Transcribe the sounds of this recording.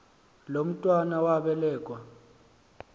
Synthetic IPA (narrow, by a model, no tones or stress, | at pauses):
lom̩tʼwanawaɓɛlɛːkʼwa